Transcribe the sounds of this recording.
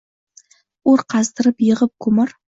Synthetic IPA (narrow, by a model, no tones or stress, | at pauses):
oɾqʰɑzd̪əɾəpjəʁəp̚kʰʊmɪɾ